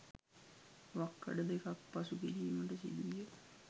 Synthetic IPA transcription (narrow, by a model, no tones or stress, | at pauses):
ʋakːə̰ɖəd̪ekak̚pasukiɾiːməʈəsḭd̪uije